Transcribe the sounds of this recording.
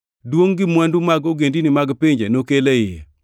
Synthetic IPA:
dwoŋɡɪmwɛndumaɡoɡendinɪmaɡpɪɲd͡ʒḛnokelejɪ

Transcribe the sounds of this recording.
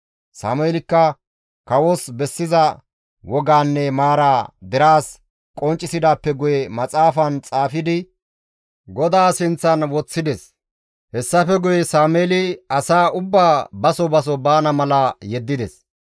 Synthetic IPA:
sa̰ːmʊelɪkːɐ | kɐwɔsbɛsːɪzɐ | wɔɡaːnːɛmaːɾaːd̪ɛɾaːs | kʼɔnt͡ʃʼːɪsɪd̪aːpːɛɡʊjɛmɐt͡sʼaːfɐnt͡sʼaːfɪd̪ɪ | ɡɔd̪aːsɪnt͡sːɐnwɔt͡sːɪd̪ɛs | hɛsːɐfɛɡʊjɛsaːmeːlɪɐsaːʊbːaːbɐsɔbɐs̬ɔbaːnɐmɐlɐjɛd̪ːɪd̪ɛs

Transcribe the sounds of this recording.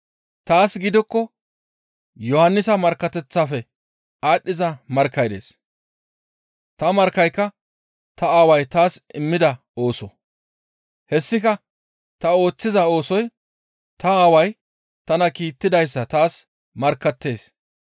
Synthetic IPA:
t̪aːsɡɪd̪ɪkːɔ | jɔhɐnːɪsɐmɐɾkːɐt̪ɛt͡sːafɛ | aːɗːɪzɐmɐɾkːɐjd̪e̞̰ːs | t̪ɐmɐɾkːɐjkːɐ | t̪ɐaːwɐjt̪aːsɪmːɪd̪ɐ | o̞ːsɔ | hɛsːɪkɐ | t̪ɐo̞ːt͡sːɪzɐo̞ːsɔj | t̪ɐaːwɐj | t̪ɐnɐkiːt̪ːɪd̪ɐjsːɐt̪aːs | mɐɾkːɐt̪ːe̞ːs

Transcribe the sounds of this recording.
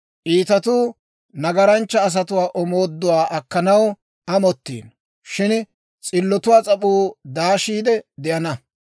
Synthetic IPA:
ʔiːt̪ɐt̪uː | nɐɡɐɾɐnt͡ʃːɐːs̬ɐt̪ʊwaːʔɔmo̞ːd̪ːʊwaːʔɐkːɐnɐw | ɐmɔt̪ːḭːn | ʃɪn | t͡sʼɪlːɔt̪ʊwaːt͡sʼɐpʼuːd̪aːʃiːd̪ɛd̪ɪʔɐnɐ

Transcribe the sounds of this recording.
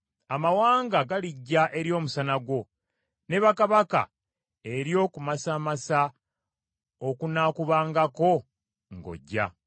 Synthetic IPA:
amawaːŋɡaɡaliɟːaʔe̞ɾjo̞ːmusanaɡwo̞ | ne̞βakaβaka̰ | e̞ɾjo̞ːkumasaːmasa | okunakuβaːŋɡako̞ | ŋɡo̰ɟːa̰

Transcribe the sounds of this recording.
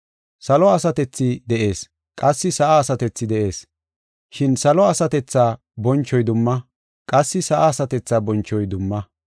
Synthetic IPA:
sɐlɔɐsɐt̪ɛt͡sːɪd̪ɛʔe̞ːs | kʼɐsːɪsɐʔaːsɐt̪ɛt͡sːɪd̪ɛʔe̞ːs | ʃɪnsɐlɔɐsɐt̪ɛt͡sːaː | bɔnt͡ʃːɔjd̪ʊmːɐ | kʼɐsːɪsɐʔaːsɐt̪ɛt͡sːaːbɔnt͡ʃːɔjd̪ʊmːɐ

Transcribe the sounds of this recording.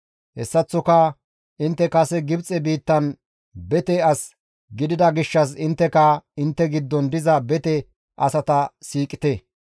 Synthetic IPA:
hɛsːɐt͡sːɔkɐ | ʔɪnt̪ːɛkɐsɛɡɪbt͡sʼɛbiːt̪ːɐn | bɛt̪ɛɐs | ɡɪd̪ɪd̪ɐɡɪʃːɐs̬ɪnt̪ːɛkɐɪnt̪ːɛɡɪd̪ːɔnd̪ɪzɐbɛt̪ɛ | ʔɐsɐt̪ɐsiːkʼɪ̥t̪ɛ

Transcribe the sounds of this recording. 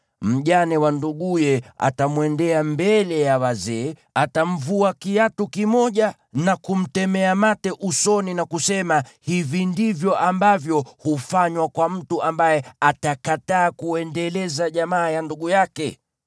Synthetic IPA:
m̩ʄanɛwanduɠujɛa̰tamwɛndɛambɛlɛjawazɛːatam̩vuakijatukimɔʄa | nakum̩tɛmɛamatɛʔusɔninakusɛmahivindivjɔʔambavjɔhufaɲwakwam̩tuʔambajɛatakataːkuɛndɛlɛzaʄamaːjanduɠujakɛ

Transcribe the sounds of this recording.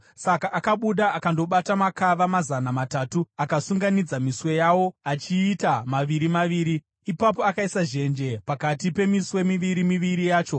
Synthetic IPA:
sakaʔaːkaɓuɗaːkando̞ɓatamakaʋamazanamataːtuakasuŋɡanid͡zamiswe̞jawo̞at͡ʃiːtamaʋiɾimaʋiːɾi | ipapoakaisaʒe̞nd͡ʒe̞pakatipe̞miswe̞miʋiɾimiʋiɾijaːt͡ʃo̞

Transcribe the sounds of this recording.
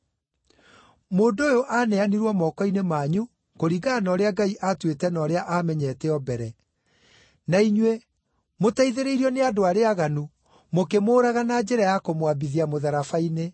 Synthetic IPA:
moːndoojoʔanɛaniɾwɔmɔːkɔinemaːɲu | koɾiːɣanɔːɾeaɡaiʔatwetɛnɔːɾeaʔamɛɲɛːtɛɔbɛɾɛ | naiɲwe | motaiðeɾeiɾiɔneadoaɾeaɣanu | mokemoːɾaɣanad͡ʑɛɾajakomwabiðiamoðaɾafaine

